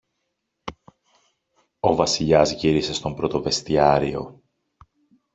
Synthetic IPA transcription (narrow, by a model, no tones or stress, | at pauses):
o̞vɐsiʎɐzʝiɾise̞st̪o̞mpɾo̞t̪o̞ve̞st̪iɐɾio̞̰